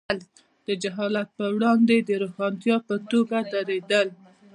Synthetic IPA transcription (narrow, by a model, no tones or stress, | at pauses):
l | d̪̥əd͡ʒaɦɑlat̪̚pəwɽɑnd̪ed̪əɾoxɑnt̪jɑpət̪oɡad̪aɾed̪əl